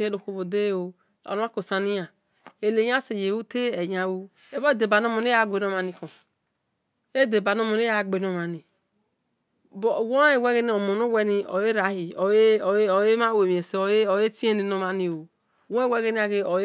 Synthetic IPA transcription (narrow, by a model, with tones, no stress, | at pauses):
e˦o˨ko˨bo˨de˦˨o˨ | o̰˨n˦a˦ko˨sa˨ni˦a˨ | e˨le˨ja˦se˨je˨wu˦te˦e˨ja˨wo˦ | e˦bo˦e˦˨de˨ba˨no˦mo˨ne˦a˦˨ɡ͡be˨no˦ma˨ni˨kõ˨ | e˦de˨ba˨no˦mo˨ne˦ja˦˨ɡ͡be˨no˨ma˨ni˨ | bo˨wo˦e˨wɛ˦ɡe˦ni˦o˨mo˨no˦wɛ˦ni˨o̰˨je˦ɾa˨˦i˨˦˨je˦ma˦we˨mi˨e˨se˨o˨˦o˨je˦ti˦e˦ni˨no˨ma˨ni˨o˨ | wo˦wɛ˦ɡe˦ni˦a˨ɡe˨o˨˦